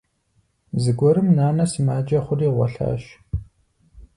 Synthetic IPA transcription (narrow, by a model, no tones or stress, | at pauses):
zɨɡʷɔɾɨmnaːnɐsɨmaːd͡ʒɐχʷʊriːʁʷɔ̰ɬa̰ːʃ